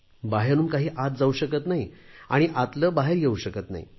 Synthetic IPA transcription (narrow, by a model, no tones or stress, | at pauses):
baɦeɾuːnkaɦiːʔat̪̚d͡zauɕəkət̪naɦia̰ɽ̃iʔat̪ləːbaɦeɾjeuɕəkət̪na̰ɦḭ